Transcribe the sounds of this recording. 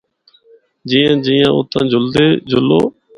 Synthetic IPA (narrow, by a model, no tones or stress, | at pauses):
d͡ʒiːãːd͡ʒiːjãːʊ̰t̪ãːd͡ʒʱʊld̪eːd͡ʒʱʊloː